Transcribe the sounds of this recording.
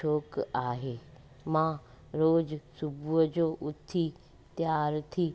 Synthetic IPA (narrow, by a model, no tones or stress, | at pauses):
oːkaːɦeː | mã | ɾoːd͡ʑsʊbʱuəd͡ʑoːʔʊt̪ʰːi | t̪jaːɾt̪ʰiː